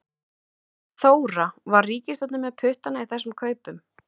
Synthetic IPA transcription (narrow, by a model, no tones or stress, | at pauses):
θoːwɾavaɾriːcɪst̪ɔt̪nʏmːɛðpʰʏht̪anaiθɛsʏmkʰœːɥpʏm